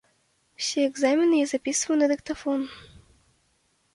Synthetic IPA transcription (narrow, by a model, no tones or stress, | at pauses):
wsʲiɛɡzamʲinɪjɛzɐpʲisʊvɐnɨd̪ɪkt̪ɐfɔn